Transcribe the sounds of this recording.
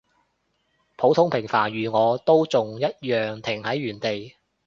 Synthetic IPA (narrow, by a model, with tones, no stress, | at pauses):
pʰo˨˥wt̪ʰʊ˥ŋpʰɪ˨˩ŋfaː˨˩njyː˨˩ŋɔː˨˧t̪o˥wt͡sʊ˨ŋjɐ˥t̚jœː˨ŋt̪ʰɪ˨˩ŋhɐ˨˥jːyː˨˩nt̪e˨j